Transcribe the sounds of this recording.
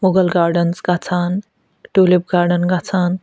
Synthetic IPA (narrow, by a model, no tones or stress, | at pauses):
moɡəlɡaːɾɖənsɡat͡sʰan | ʈulip̚ɡaːɾɖənɡat͡sʰan